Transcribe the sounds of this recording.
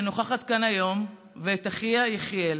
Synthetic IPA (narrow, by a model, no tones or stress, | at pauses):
noχaχat̪kanajo̞m | veːtaχiajeχjel